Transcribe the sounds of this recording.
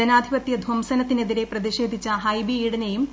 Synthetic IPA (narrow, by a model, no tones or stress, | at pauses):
ɐnaːd̪ʱibɐt̪ːjɐd̪ʱwɐmsɐnɐt̪ːine̞ðiɾe̞prɐðiɕe̞ːd̪ʱit͡ɕːɐɦɐjbiiːɽɐnejum